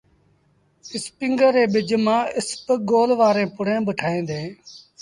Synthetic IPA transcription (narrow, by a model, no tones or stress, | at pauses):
ɪspɪŋɡəɾeːɓɪd͡ʒmãːɪspɡoːlʋaːɾẽːpʊɽẽːbəʈʰaːẽːd̪eː